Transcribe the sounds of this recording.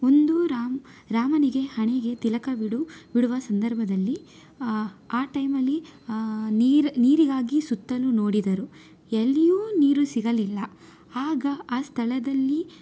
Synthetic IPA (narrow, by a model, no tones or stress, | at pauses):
o̞nd̪uɾaːɾaːmɐniɡe̞hɐɳeɡe̞t̪ilɐkɐbiɽubiɽuʋɐsɐnd̪ʱɐɾbʱɐd̪ɐlːi | aːʈɐjmɐlːi | niːɾniːɾiɡaːɡisut̪ːɐlunoːɽid̪ɐɾu | elːijuːniːɾusiɡɐlilːɐ | aːɡɐaːst̪ʰɐɭɐd̪ɐlːi